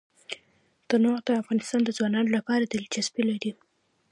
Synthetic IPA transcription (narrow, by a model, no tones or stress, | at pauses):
d̪̥ənoɣd̪əafɣɑnɪst̪ɑnd̪əzwɑnɑnolapɑɾad̪ald͡ʒasbilaɾi